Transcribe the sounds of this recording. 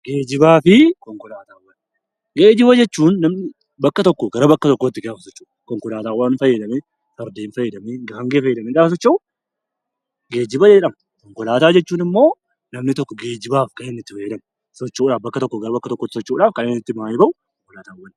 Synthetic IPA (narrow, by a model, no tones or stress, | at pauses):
ɡ̥eːd͡ʒɪbaːfɪkɔŋkɔlaːt̪aːwːɐn | ɡeːd͡ʒɪβɐd͡ʒɛt͡ʃːuːnːɐmnɪ | bɐkːɐt̪ɔkːɔɡɐɾɐbɐkːɐt̪ɔkːoːt̪ːɪɡaːfɐsɔt͡ʃːɐ̥ | kɔŋkɔlaːt̪aːwːɐnfɐjːɛd̪ɐme | sɐɾd̪eːnfɐjːɛd̪ɐmeɡɐfɐŋɡeːfɐjːɛd̪ɐmɛɡaːfɐs̬ɔt͡ʃːɐʊ | ɡe̞ːd͡ʒɪbɐd͡ʒɛᶑɐm | kɔŋkɔlaːt̪aːd͡ʒɛt͡ʃːuːnɪmːo̞ː | nɐmnɪt̪ɔkːɔɡeːd͡ʒɪbaːfkɐnenːɪt̪ːɪfɐjːɛd̪ɐm | sɔt͡ʃːuːᶑaːfbɐkːɐt̪ɔkːɔɡɐɾɐbɐkːɐt̪ɔkːɔːt̪ːɪsɔt͡ʃːuːᶑaːfkɐneːnɪt̪ːɪmaːjɪbɐʔʊ | kɔŋkɔlaːt̪aːwːɐn